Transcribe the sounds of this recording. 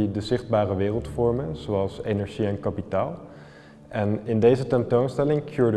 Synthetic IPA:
idəzɪχd̚baːrəʋɪːrəlˠtfɔɹmənz̥oɑlˠsejnɛɹʒiɛnkapitaːlˠ | ʔɛnɪndejzətɛntownstɛlɪŋkʰjuːɹd

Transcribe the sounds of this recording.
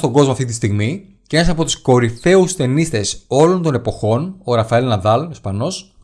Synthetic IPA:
t̪o̞ɡo̞zmoɐft̪it̪ist̪iɣmi | ce̞nɐsɐpo̞t̪u̥sko̞ɾiθe̞ust̪e̞nist̪e̞so̞lo̞nt̪o̞ne̞po̞xo̞noɾɐfɐelnɐðɐlospɐno̞s

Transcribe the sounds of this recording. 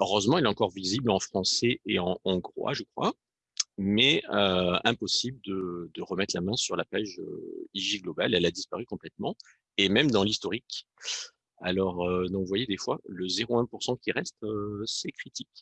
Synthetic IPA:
øʁøzmɑ̃ɛlɛɑ̃kɔʁviziblɑ̃fχɑ̃sɛeɑ̃ɔ̃ɡʁwa̰ʒəkχwa̰ | mɛøɛ̃pɔsibləd̪əd̪əʁəmɛt̪χlamɛ̃syʁlapaʒø̰iʒiɡlɔbalɛlad̪ispaʁykɔ̃plɛt̪mɑ̃ | emɛmd̪ɑ̃list̪ɔʁik | a̰lɔʁød̪ɔ̃vwajed̪efwa̰ləzeʁoɛ̃puʁsɑ̃kʲiʁɛst̪øsɛkχit̪ʰik

